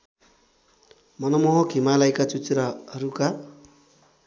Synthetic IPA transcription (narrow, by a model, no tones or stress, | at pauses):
mʌnʌmoɦʌkʰimalajkat͡sut͡sɾaɦʌɾuka